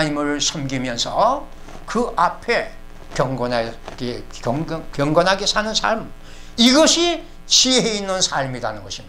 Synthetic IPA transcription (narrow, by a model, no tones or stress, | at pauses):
ɲimɯɾɯɭsʰʌmɡimjʌnsʰʌ | kɯʔapʰe̞ | kjʌŋɡʌnae | kjʌŋɡʌnɦaɡesʰanɯnsʰa̰ɭm | iɡʌɕʰi | t͡ɕiɦeinːɯnsʰaɭmidanɯnɡʌɕʰim